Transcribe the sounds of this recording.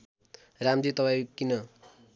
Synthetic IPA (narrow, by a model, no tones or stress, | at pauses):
ramd̪it̪ʌpajkinʌ